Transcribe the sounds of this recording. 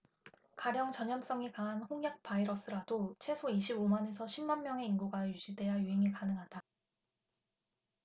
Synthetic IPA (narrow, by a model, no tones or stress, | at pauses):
kaɾjʌŋt͡ɕʌɲʌms͈ʌŋikaŋɦanɸoŋjak̚paiɾʌs͈ɯɾadot͡ɕʰe̞sʰoiɕʰibomane̞sʰʌɕʰimːanmːjʌŋe̞inɡuɡajuɕ͈ʰide̞ajuɦeŋikanɯŋɦada